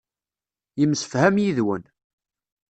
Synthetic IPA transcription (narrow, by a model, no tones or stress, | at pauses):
jəmsə̥fhæmjiðwən